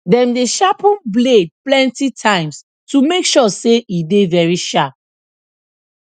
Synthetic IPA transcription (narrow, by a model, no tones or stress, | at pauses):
dɛ̃mdeʃapũnbled̚plɛ̃ntitʰãɪ̃ms | tumekʃɔseʔidevɛɹiʃap̚